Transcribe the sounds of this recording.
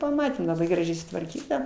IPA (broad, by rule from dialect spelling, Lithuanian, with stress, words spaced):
pɐˈmɑːtʲeːm lˠɐˈbɐɪ ɡrɐˈʒʲɛɪ sʊtʋɐrʲˈkʲiːtɐ